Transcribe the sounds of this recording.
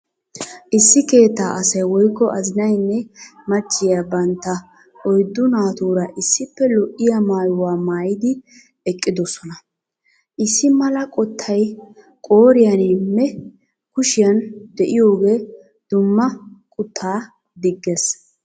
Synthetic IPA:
ʔɪsːɪke̞ːt̪ːa̰ːʔɐsɐjwɔjkːɔʔɐzɪnɐjnːɛmɐt͡ʃʼːɪjabɐnt̪ːɐ | ʔɔjd̪ːʊnaːt̪uːɾɐʔɪsːɪpːɛlɔʔɪjɐmaːjʊwaːmaːjɪd̪ɪ | ɛkʼːɪd̪ɔsɔnɐ | ʔɪsːɪmɐlɐkʼɔt̪ʰːɐj | kʼo̞ːɾɪjɐnɪmːɛ | kʊʃɪjɐnd̪ɛʔɪjo̞ːɡe̞ː | d̪̥ʊmːɐkʼʊt̪ʰːaː | d̪ɪɡːes

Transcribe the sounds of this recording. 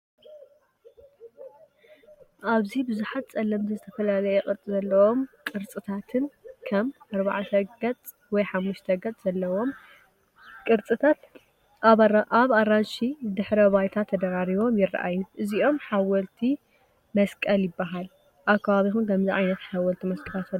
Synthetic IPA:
ʔaβzibɨzuħat̪̚t͡sʼɐlːɐmt̪ʰɐzɨt̪ʰɐfɐlalɐjɛkʼɨɾt͡s̪ʼzɐlːɐwo̞mkʼɨɾt͡sʼɨt̪ʰat̪ʰɨnkʰɐmɐɾβaʕat̪ʰɐɡɐt͡sʼ | wɔjħamːuʃt̪ʰɐɡɐt͡sʼz̥ɐlːɐwo̞m | kʼɨɾt͡sʼɨt̪ʰat̪ | aβaɾanʃid̪ɨħɾɐβajt̪ʰat̪ʰːɐd̪ɐɾaɾiβo̞mjɪra̰ʔa̰jːuʔɨziʔo̞mħawɐlt̪ʰi | mɐskʼɐljɪbːaɦal | ʔakʰːaβaβixunkʰɐmziʕa̰jnɐt̪ħawɔlt̪ʰimɐskʼɐlat̪

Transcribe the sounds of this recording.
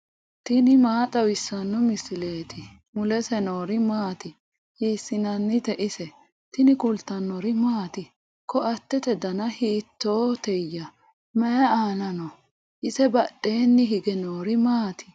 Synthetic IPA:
t̪ɪnɪmaːt̪ʼɐwɪsːɐnːɔmɪsɪle̞ːt̪ʰɪ | mʊlɛsɛno̞ːɾɪmaːt̪ɪ | hiːsɪnɐnːɪt̪ɛʔɪsɛ | t̪ɪnɪkʊlt̪ːɐnːɔɾɪmaːt̪ɪ | kʰɔɐt̪ːɛt̪ɛd̪ɐnɐhiːt̪ːoːt̪ɛjːɐ | mɛjɐaːnɐnɔ | ʔɪsɛbɐɗːe̞ːnːɪɦɪɡɛnoːɾɪmaːt̪ɪ̥

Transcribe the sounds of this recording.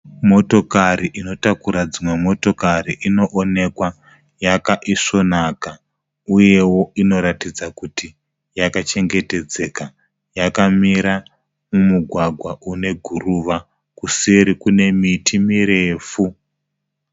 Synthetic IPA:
mo̞to̞kaɾiʔino̞takuɾad͡zimwe̞mo̞to̞kaɾiʔino̞ʔone̞kwa | jakaʔiʂo̞naka | uje̞wo̞ino̞ɾatid͡zakuti | jakat͡ʃe̞ŋɡe̞te̞d͡ze̞ːka | jakamiɾa | mumuɡʱwaɡʱwaʔune̞ɡʱuruʋa | kusiɾikune̞mitʰimiɾeːfu

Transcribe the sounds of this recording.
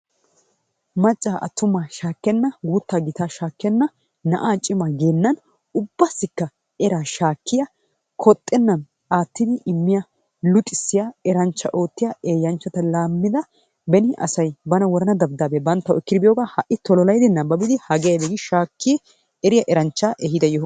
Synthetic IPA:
mɐt͡ʃʼːaːʔɐ̰t̪ːʊmaːʃaːkːɛnːɐɡuːt̪ːaːɡɪt̪aːʃaːkːɛnːɐ | nɐ̰ʔaːt͡ʃʼɪmaɡeːnːɐn | ʊbːɐsːɪkːɐ | ɛɾaːʃaːkːɪjɐ | kʰɔt̪ʼːɛnːɐn | ʔaːt̪ːɪd̪ɪʔɪmːɪjɐ | lʊt̪ʼːɪsːɪjaːɛɾɐnt͡ʃːɐʔo̞ːt̪ːɪjaʔeːjːɐnt͡ʃːɐt̪ɐlaːmːɪd̪ɐ | bɛnɪʔɐ̰sɐjbɐnɐwɔɾɐnɐd̪ɐbd̪aːbebɐnt̪ːɐwɪkːɪd̪ɪbɪjoːɡaːhɐʔɪt̪ɔlɔlɐjd̪ɪnːɐbɐbɪd̪ɪhɐɡeːd̪ɛɡɪʃaːkːɪ | ɛɾɪjɐʔɛɾɐnt͡ʃːaːʔɛɦɪd̪ɐjɔ

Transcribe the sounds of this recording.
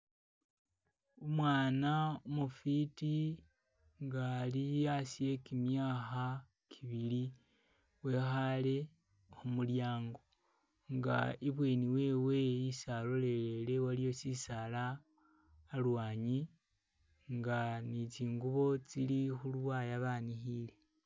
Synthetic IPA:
omwaːnaomufiti | ŋɡaliasije̞kimjaːxa | kʰiβili | we̞ːxale̞ | omuljaːŋɡo̞ | ŋɡa̰iβwe̞niwe̞ːwe̞isalole̞lele̞walijo̞sisalaː | lwaːɲi | ŋɡanit͡siːŋɡuβo̞t͡silixulwajaβanixile̞

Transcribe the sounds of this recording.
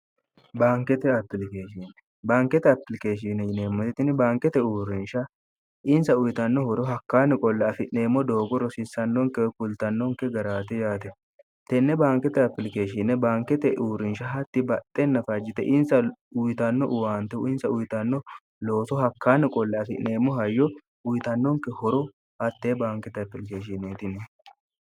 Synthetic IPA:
baːŋkɛt̪ɛɐpːɪlɪkeːʃinɛ | baːŋkːɛt̪ɛɐpɪlɪkeːʃ̬inɛɪneːmːɔt̪ɪt̪ɪnɪbaːŋkɛt̪ɛuːɾɪnʃɐ | ʔɪnsɐʊjt̪ɐnːɔhɔɾɔɦɐkːaːnɛkʼɔlːɐɐfɪneːmːɔd̪oːɡɔɾɔsɪsːɐnːɔŋkːɛwkʊlt̪ɐnːɔŋkːɛɡɐɾaːt̪ɛjaːt̪ɛ | t̪ɛnːɛbaːŋkɛt̪ɐpɪlɪkeːʃɪnɛbaːŋkːɛt̪ɛʔuːɾɪnʃɐɦɐt̪ːɪbɐt̪ʼːɛnːɐfɐd͡ʒɪt̪ɛʔɪnsɐʊjt̪ɐnːɔʔʊwaːnt̪ɛʊɪnsɐʊjt̪ɐnːɔ | lo̞ːt̪ɔhɐkːaːnɛkʼɔlːɐɐfɪ̰ʔne̞ːmːɔɦɐjːɔ | ʊjt̪ɐnːɔŋkːɛhɔɾɔ | hɐt̪ːeːbaːŋkɛt̪ɐpɪlɪkeːʃɪneːt̪ɪnɛ

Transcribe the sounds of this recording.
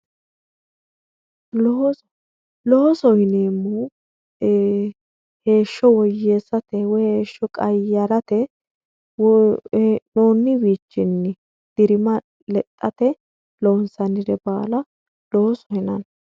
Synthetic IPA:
lɔɔsɔhɪneːmːu | he̞ːʃːɔwɔjːe̞ːsːɐt̪ɛwɔeːʃːɔkʼɐjːɐɾɐt̪ɛ | w | noːnːɪwiːt͡ʃːɪnːɪ | d̪̥ɪɾɪmɐ | lɛt̪ʼːɐt̪ɛ | loːnsɐnɪd̪ɛbaːlɐ | loɔsɔhɪnɐ̰n

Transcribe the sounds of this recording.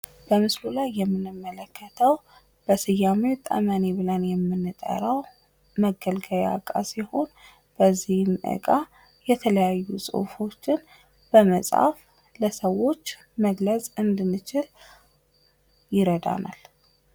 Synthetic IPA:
b̥əmɨslulajːɛmːɨnɨmːələkːət̪ʰəw | b̥əsɨjːamewt̪ʼə̰məneβɨlənjɛmːɨnːɨt̪ʼə̰ɾəw | məɡəlɡəja̰kʼa̰siho̞n | b̥əzːihmʔɨ̰kʼa | jɛt̪ʰələjajːusʼo̰fo̞t͡ʃːɪn | b̥əməsʼa̰f | ləsəwːo̞t͡ʃː | məɡləsʼɨnd̪ɨnːɨt͡ʃɪl | jɪɾəd̪a̰na̰l

